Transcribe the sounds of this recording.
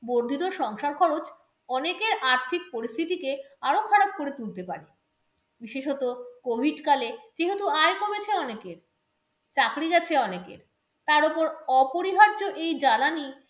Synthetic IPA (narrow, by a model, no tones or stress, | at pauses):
boɾd̪ʱit̪oʃɔŋʃaɾkʰɔɾot͡ɕ | ɔnekeɾʔaɾt̪ʰik̚poɾist̪ʰit̪ike | aɾokʰaɾab̚koɾet̪ult̪epa̰ɾe | biʃeʃɦɔt̪okobʱiɖkaled͡ʑeɦet̪uajkomet͡ɕʰeɔnekeɾ | t͡ɕakɾiɡɛt͡ɕʰeɔnekḛɾ | t̪aɾopoɾɔpoɾiɦaɾd͡ʑoʔejd͡ʑalani